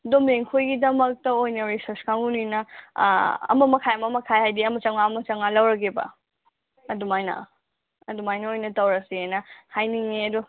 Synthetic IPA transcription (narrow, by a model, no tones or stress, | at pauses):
domeŋkʰojɡidɐmɐk̚tɐojnɐɾisɐɾskʰaŋunujnɐ̰ | ɐ̰mɐmɐkʰajɐmɐmɐkʰajhajdiɐmɐt͡ʃɐŋaːmɐt͡ʃɐŋalɐwɾɐɡ̬ebɐ̰ | ɐdumajnɐ̰ | ɐdumajnɐojnɐtɐwɾɐsiajnɐhajniŋneɐdu